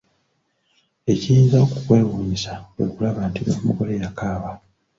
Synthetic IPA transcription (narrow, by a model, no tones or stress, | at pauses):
e̞cijiːnzaokukwe̞ːwuːɲisawwḛkulaβantinomuɡo̞lejakaːβa